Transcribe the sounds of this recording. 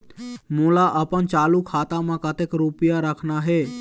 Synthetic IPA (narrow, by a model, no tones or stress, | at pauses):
mulaʔəpənt͡ʃaːlukʰaːt̪amãkət̪ekɾupijaɾəkʰnaɦɛ